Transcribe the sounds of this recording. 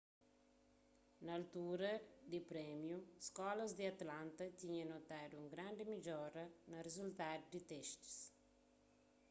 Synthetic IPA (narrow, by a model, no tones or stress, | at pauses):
nalt̪uɾɐd̪ipɾɛmjuskɔlɐzd̪iat̪lant̪ɐt̪iɲanot̪ad̪uuŋɡɾand̪emid͡ʒɔɾɐnɐɾezult̪ad̪ud̪it̪ɛʃt̪i̥s